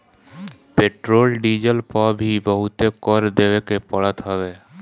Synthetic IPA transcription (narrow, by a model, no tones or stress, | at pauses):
peʈɾoːlɖiːd͡ʒəlpəbʱibəɦʊt̪ekɔɾd̪eːwekepəɽət̪ɦɛbe